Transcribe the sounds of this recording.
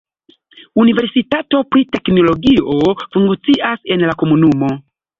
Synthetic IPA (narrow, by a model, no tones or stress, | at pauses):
univeɾsitato̞pɾite̞knoloɡiofuŋɡt͡siʔasenlakomunumo̞